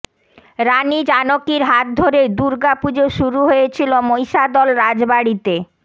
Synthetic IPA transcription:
ɾanid͡ʑanokiɾɦat̪̚d̪ʱoɾed̪uɾɡapud͡ʑoʃuɾuɦojet͡ɕʰilomojʃad̪ɔlɾad͡ʑbaɽit̪e

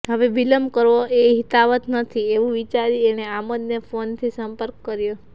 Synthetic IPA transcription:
ɦəʋeʋiləmkəɾʋoʔeɦit̪aʋət̪nət̪ʰieʋũʋit͡ʃaɾieneaməd̪nefont̪ʰisəmpəɾkːəɾjo

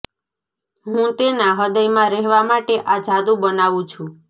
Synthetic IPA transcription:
ɦũt̪enaɦəd̪əjmãɾɛɦʋamaʈeʔad͡ʒʱad̪ũbənaʋũt͡ʃʰũ

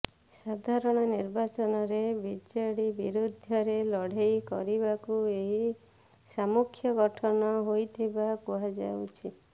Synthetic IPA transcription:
sad̪ʱaɾɔɽ̃ɔniɾbat͡ʃɔnɔɾebid͡ʒaɽibiɾud̪ʱjɔɾelɔɽ̤ejkɔ̰ɾibakueɦi | samukʰːjɔɡɔʈʰɔnɔɦojt̪ʰibakuɦad͡ʒa̰wt͡ʃʰi

